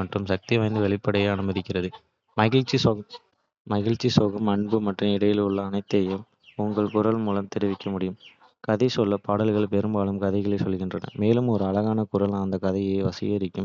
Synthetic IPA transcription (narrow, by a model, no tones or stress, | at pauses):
ɐʈrɯmsɐk̚t̪iʋɐɪnd̪ɯʋɛɭɪpːɐɽɐjɐɐnɯmɐðɪkːɪrɐðɯ | mɐɣɪɭt͡ʃi | mɐɣɐɭt͡ʃːisoːɣɐmɐɳbɯmɐʈrɯmɪɽɐjɪlʊɭːɐːnɐɪt̪ːɐjɐm | ʊŋɡɐɭkʊrɐlmuːlɐmt̪ɛɾɪʋɪkːɐmʊɽɪjɯm | kɐðɐɪsɔlːɐpaːɽɐlɣɐɭpɛɾɯmbaːlɯmkɐðɐɪɣɐɭeːsɔlːɣɪndrɐnɐ̰meːlɯmɔɾɯɐlɐɣaːnɐkʊrɐlːnd̪ɐkɐðɐɪjeːʋɐsɪjɐɾɪkːɯm